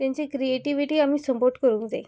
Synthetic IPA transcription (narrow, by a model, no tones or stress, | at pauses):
t̪jãɲt͡ɕekɾieʈiʋiʈiːamiːsəmpoɾʈkəɾũːŋkd͡za̰